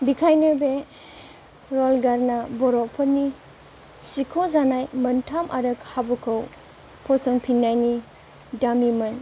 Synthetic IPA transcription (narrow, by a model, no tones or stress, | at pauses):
bikʰajnɯbe | ɾɔlɡaɾnabɔɾɔpʰɔni | sikʰɔzanajmɐntʰamʔa̰ɾɯkhabukʰɯw | pʰɔsɔŋpʰinːajni | damimɐn